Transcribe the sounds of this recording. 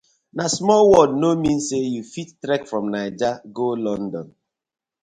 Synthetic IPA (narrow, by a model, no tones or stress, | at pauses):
nasmɔlwɔd̚nomĩn̩sejufittɾɛkfɾɔmnaɪd͡ʒaɡolɔ̃n̩dɔ̃n